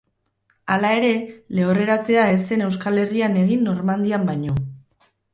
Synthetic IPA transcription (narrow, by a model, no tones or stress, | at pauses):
alae̞ɾe̞le̞ore̞ɾat͡se̞ae̞se̞ne̞wskale̞riane̞ɣ̞inːo̞ɾmand̪iambaɲo̞